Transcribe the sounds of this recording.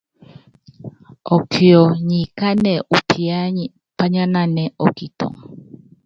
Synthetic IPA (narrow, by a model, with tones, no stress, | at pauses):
ɔ˨kʰi˨ɔ˨ɲi˨ka˦nɛ˨ʔu˨pʰi˨a˦ɲ | pa˦ɲa˦na˦nɛ˨ʔɔ˨ki˨tɔ̰˨ŋ